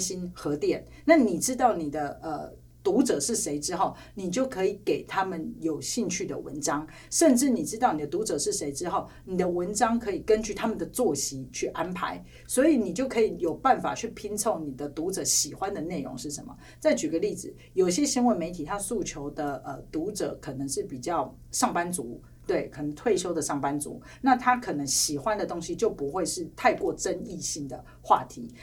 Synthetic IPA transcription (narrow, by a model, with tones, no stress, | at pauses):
ɕi˥nxɤ˧˥t̪jɛ˥˨˩n | na˥˩ni˨˩ʈ͡ʂɻ̩˥t̪ɑ˥˩ʊni˨˩d̪ə˦ə˧ | t̪u˧˥ʈ͡ʂɤ˨˩ʂɻ̩˥˩ʂe˧˥ɪʈ͡ʂɻ̩˥xo˥˩ʊ | ni˨˩t͡ɕjo˥˩ʊkʰɤ˧˥i˨˩˦ke˨˩ɪt̪ʰa˥mə˨njo˨˩ʊɕi˥˧ŋt͡ɕʰy˥˩d̪ə̰˩wə̰˧˦nʈ͡ʂɑ˥ŋ | ʂə˥˧nʈ͡ʂɻ̩˥˩ni˨˩ʈ͡ʂɻ̩˥t̪ɑ˥˩ʊni˨d̪ə˩t̪u˧˥ʈ͡ʂɤ˨˩ʂɻ̩˥˩ʂe˧˥ɪʈ͡ʂɻ̩˥xo˥˩ʊ | ni˨˩d̪ə˦wə˧˥nʈ͡ʂɑ˥ŋkʰɤ˧˦˥i˨˩kə˦nt͡ɕy˥˩t̪ʰa˥mə˨nd̪ə˩t͡swɔ˥˨˩ɕi˧˥˦t͡ɕʰy˥˩ʔa˦npʰa̰˧˥ɪ | swɔ˧˥i˨˦ni˨˩t͡ɕjo˥˩ʊkʰɤ˧˥i˨˩jo˨˩ʊpa˥˨˩nfa̰˨˩t͡ɕʰy˥˩pʰi˥nt͡sʰo˥˩ʊni˨˩d̪ə˦t̪u˧˥ʈ͡ʂɤ˨˩˦ɕi˨˩xwa˦nd̪ə˨ne˥˩ɪɻo̰˧˥ŋʂɻ̩˥˩ʂə̰˧˦nmə̰˩ | t͡sa˥˩ɪt͡ɕy˨˩ɡə˦li˥˩d͡zɹ̩˨˩ | jo˨˩i˨ɕjɛ˦˥ɕi˧˥ŋwə˧˦nme˧˥ɪt̪ʰi˨˩t̪ʰa˥su˥˩t͡ɕʰjo˧˥ʊd̪ə˨ə˨t̪u˧˥ʈ͡ʂɤ̰˨˩˦kʰɤ˨˩nə˧˦ŋʂɻ̩˥˩pi˨˩t͡ɕjɑ˥˩ʊ | ʂɑ˥˩ŋpa˦nt͡su˧˥˦ | t̪we˥˩ɪkʰə˨˩nə˧˦ŋt̪ʰwe˥˩ɪʂjo˥ʊd̪ə˨ʂɑ˥˩ŋpa˦nt͡sṵ˧˥˦ | na˥˨t̪ʰa˥kʰɤ˨˩nə˧˥ŋɕi˨˩xwa˦nd̪ə˨t̪o˥ŋɕi˧˦t͡ɕjo˥˩ʊpu˧˥xwe˥˧ɪʂɻ̩˥˧t̪ʰa˥˧ɪkwɔ˥˩ʈ͡ʂə˦˥ni˥˧ɕi˥˩ŋd̪ə˩ | xwa̰˥˩t̪ʰḭ˧˥˦